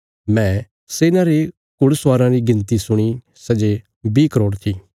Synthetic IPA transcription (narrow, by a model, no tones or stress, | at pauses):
mɛ̃ː | seːnãɾe | kʊɽsaːɾãɾiɡɪ̃nt̪isʊɽ̃i | sɛd͡ʒe | biːkəɾoːɽt̪ʰiː